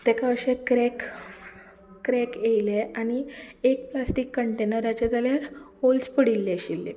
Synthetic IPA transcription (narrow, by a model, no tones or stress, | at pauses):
t̪ekaəɕekɾek | ɾekjejleaɽ̃iek̚plasʈikːəɳʈenəɾat͡ɕad͡z̪aljaɾholspəɽilːeɕilːe